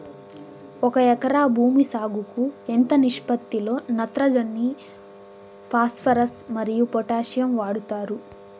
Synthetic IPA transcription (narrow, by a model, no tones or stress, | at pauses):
ɔkɐɛkɐɾaːbʱuːmisaːɡukuent̪ɐniʂpɐt̪ːiloːnɐt̪ɾɐd͡ʒɐnːi | pʰaːspʰɐɾɐsmɐɾijupɔʈaːʃjɐmʋaːɽut̪aːɾu